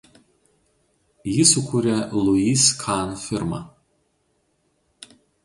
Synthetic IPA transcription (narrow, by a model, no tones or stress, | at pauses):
jɪsʊkuɾʲɛlˠʊiskʰɑnfʲɪɾmɑ̰